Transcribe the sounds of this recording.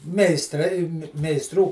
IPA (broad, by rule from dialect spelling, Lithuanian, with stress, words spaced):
mʲɛɪsˈtrɐɪ mʲɛɪsˈtruː